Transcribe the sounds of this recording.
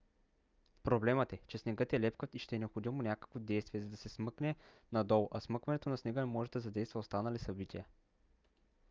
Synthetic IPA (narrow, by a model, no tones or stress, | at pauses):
pɾoblɛmət̪ɛt͡ʃɛsnɛɡɤt̪ɛlɛpkət̪iʃt̪ɛnɛopxod̪imonʲakə̥kvod̪ɛjst̪viɛzɐd̪ɐsɛsmɤknɛ | nɐd̪ɔlˠʔɐsmɤkvɐnɛt̪onɐsnɛɡəmɔʒɛd̪ɐzɐd̪ɛjst̪vɐost̪anɐlisɐbit̪ʰʲiə